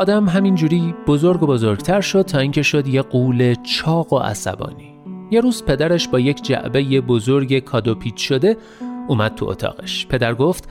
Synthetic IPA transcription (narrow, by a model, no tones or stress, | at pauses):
ɒːd̪æmɦæmind͡ʒuːɾiːb̥o̞zo̞ɾɡo̞bo̞zo̞ɾɡt̪ʰæɾʃo̞d̪̥̚t̪ʰɒːiŋcʰe̞ʃo̞d̪je̞ɢuːle̞t͡ʃʰɒːɣo̞ʔæ̰sæ̰bɒ̰ːniːje̞ɾuːz̥pʰe̞d̪æɾeʃbɒːjecʰd͡ʒæ̰ʔbe̞je̞bozoɾɟekʰɒːd̪opʰiːd̪ʃo̞d̪e̞ | uːmæd̪̥̚t̪ʰuo̰t̪ʰɒ̰ːɣeʃpʰe̞d̪æɾɡo̞ft̪